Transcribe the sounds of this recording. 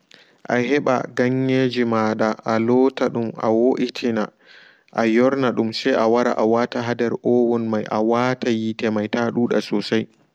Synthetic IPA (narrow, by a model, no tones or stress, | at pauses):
ʔahɛɓa̰ɡaɲːed͡ʒimaːɗaʔalɔːtaɗumʔa̰woʔitʰina | ʔajɔɾnaɗumsɛjʔawaɾa̰ʔawataɦadɛɾʔɔːwɔnmajʔawaːtʰajitɛmajtaɗuːɗa̰sɔsaj